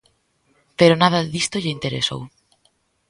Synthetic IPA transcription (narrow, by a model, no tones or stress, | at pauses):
peɾonað̞ɐðist̪oʎeint̪eɾeso̰w